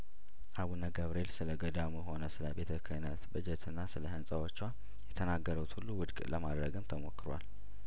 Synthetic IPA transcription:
ʔaβunaɡəβɾelsɨləɡəd̪amuɦo̞nəsɨləbet̪ʰəkʰənət̪bɨd͡ʒɛt̪ʰɨnːasɨləhɨnsʼəwot͡ʃːwa | jɛt̪ʰənaɡːəɾəwt̪hulːuwʊd̪kʼləmad̪ɾəɡɨmt̪ʰəmo̞kːɨɾwa̰l

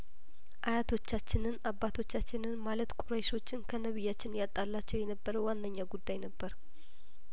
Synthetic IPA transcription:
ʔajat̪ʰo̞t͡ʃːat͡ʃːɪnɨnabːat̪ʰo̞t͡ʃːat͡ʃːɪnɨnmalət̪kʷʼuɾəjʃo̞t͡ʃːɪnkʰənəβɨjːat͡ʃːɪnjat̪ʼːalːat͡ʃːɛwjɛnəbːəɾəwwanːəɲːaɡud̪ːajnəbːəɾ

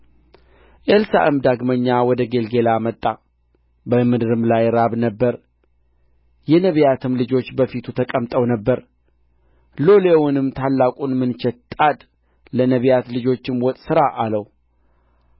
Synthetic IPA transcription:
ʔelsa̰ʔɨmd̪aɡməɲːawɔd̪əɡe̞lɡe̞lamət̪ʼːa | bəmɨd̪ɨɾɨmlajɾaβnəbːəɾ | jɛnəβjat̪ʰɨmlɨd͡ʒo̞t͡ʃːbəfit̪ʰut̪ʰəkʼəmt̪ʼəwnəbːəɾ | lo̞lewʊnɨmt̪ʰalːakʼunmɨnt͡ʃɛt̪t̪ʼad̪ | lənəβjat̪lɨd͡ʒo̞t͡ʃːɪmwɔt̪ʼsɨɾaʔaləw

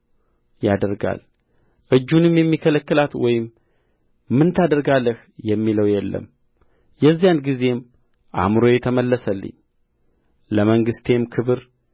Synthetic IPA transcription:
jad̪əɾɡa̰l | ʔɨd͡ʒːunɨmjɛmːikʰələkːɨlat̪wɔjɪmː | ɨnt̪ʰad̪əɾɡalːəh | jɛmːiləwjɛlːə̰m | jɛzːijanɡize̞m | ʔa̰mɾo̞jɛt̪ʰəməlːəsəlːɨ̰ɲː | ləməŋɡɨst̪ʰe̞mkʰɨβɨɾ

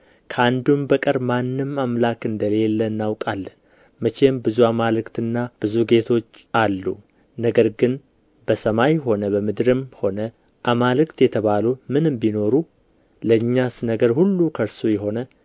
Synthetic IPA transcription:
kʰəand̪umbəkʼəɾmanːɨmamlakɨnd̪əle̞lːənːawkʼalːə | mət͡ʃe̞mbɨzuamalɨkt̪ɨnːab̥ɨzuɡe̞t̪ʰo̞t͡ʃːalːṵ | nəɡəɾɡɨn | bəsəmajho̞nəbəmɨd̪ɾɨmho̞nə | ʔamalɨkt̪jɛt̪ʰəβalumɨnɨmbino̞ɾu | ləɨɲːasnəɡəɾhulːukʰəɾsujɛɦo̞nə

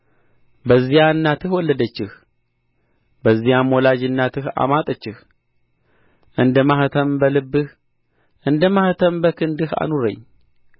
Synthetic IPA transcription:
bəzːijaɨnːat̪ɨhwɔlːəd̪ət͡ʃːɪh | bəzːijamːolad͡ʒɨnːat̪ʰɨha̰mat̪ʼət͡ʃːɪh | ʔɨnd̪əmaht̪ʰəmbəlɨbːɨh | ʔɨnd̪əmaht̪ʰəmbəkʰɨnd̪ɨha̰nuɾə̰ɲː

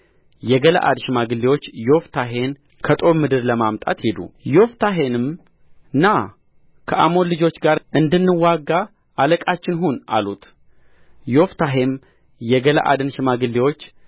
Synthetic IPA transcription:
jɛɡəla̰ʔa̰d̪ʃɪmaɡɨlːiwo̞t͡ʃːjo̞ft̪ʰaɦe̞n | kʰət̪ʼo̞mːɨd̪ɨɾləmamt̪ʼa̰t̪hed̪ṵjo̞ft̪ʰaɦe̞nɨm | ɨnːa | kʰəʔamo̞lɨd͡ʒo̞t͡ʃːɡaɾʔɨnd̪ɨnːɨwaɡːaː | ləkʼat͡ʃːɪnɦuna̰lut̪ | jo̞ft̪ʰaɦe̞m | jɛɡəla̰ʔa̰d̪ɨnʃɪmaɡɨlːiwo̞t͡ʃː

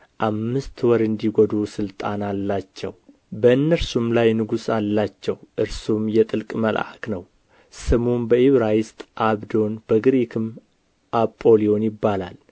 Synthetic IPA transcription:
ʔamːɨst̪wɔɾɨnd̪iɡɔd̪usɨlt̪ʼanalːat͡ʃːɛ̰w | bəɨnːəɾsumlajnɨɡusalːat͡ʃːɛwʔɨɾsumjɛt̪ʼɨlkʼməlʔʔa̰knəw | sɨmunbəiβɾajɪst̪ʼʔaβd̪o̞nb̥əɡɾekʰɨm | ʔapʼːo̞lio̞njɪbːala̰l

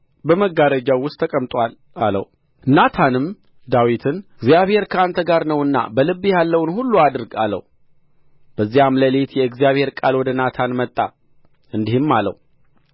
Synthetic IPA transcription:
bəməɡːaɾəd͡ʒawːʊst̪ʰːəkʼəmt̪ʼʷal | alə̰w | nat̪ʰanɨm | d̪awit̪ʰɨnɨɡzijaβhe̞ɾkʰəant̪ʰəɡaɾnəwɨnːa̰bəlɨbːijalːəwnhulːuad̪ɨɾɡa̰lːə̰w | b̥əzːijamləlet̪jɛɨɡzijaβhe̞ɾkʼalwɔd̪ənat̪ʰanmət̪ʼːa | ɨnd̪ihɪmːalːə̰w

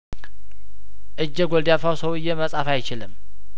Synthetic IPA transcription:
ʔɨd͡ʒːɛɡʷɔld̪jafawsəwɨjːɛməsʼafajt͡ʃɪlɨm

